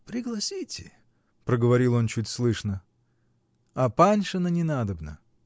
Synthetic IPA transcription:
pɾʲɪɡlˠɐsʲitʲɪ̰ | pɾəɡəvɐɾʲilˠo̞nt͡ɕutʲslˠɨʂnə | ɐpanʲʂɨnənʲɪnad̪əbnə̰

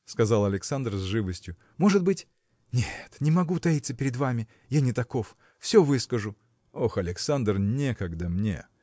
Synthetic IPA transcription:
skɐzalˠɐlʲɪksand̪rzʐɨvəsʲtʲjʊ | mo̞ʐɨd̪̚bɨtʲ | nʲet̪nʲɪmɐɡut̪ɐit̪səpʲɪɾʲɪd̪vamʲɪ | janʲɪt̪ɐko̞f | fsʲovɨskəʐʊ | o̞xɐlʲɪksand̪rnʲekɐɡd̪amnʲḛ

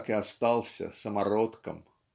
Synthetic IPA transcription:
kʲast̪ɑlˠsʲɐ̰sɑmɑrot̪kɐ̰m

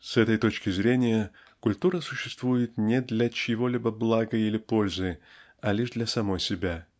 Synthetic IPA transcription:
sɛt̪əjt̪o̞t͡ɕkʲɪzɾʲenʲɪjə | kʊlʲt̪uɾəsʊ̥ɕːɪst̪vujɪt̪nʲɪd̪lʲɐt͡ɕɪvo̞lʲibəblˠaɡəilʲɪpo̞lʲzɨ | ɐlʲiʐd̪lʲɐsɐmo̞jsʲɪbʲa

